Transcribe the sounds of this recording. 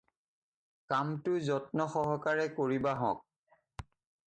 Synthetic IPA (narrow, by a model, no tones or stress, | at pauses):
kamtʊzɔtnɔxɔɦɔkaɹɛkoɹibaɦɔ̰̃k̚